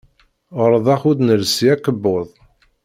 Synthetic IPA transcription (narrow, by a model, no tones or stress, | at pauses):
əɾˤðˤɑχud̪nəlsiækəbːoðˤ